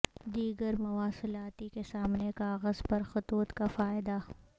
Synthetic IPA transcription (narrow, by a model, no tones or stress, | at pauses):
d̪iːɡəɾmʊwaːsɪlaːt̪ikesaːmnekaːɣəzpɐɾxʊt̪uːt̪kafaːɪd̪a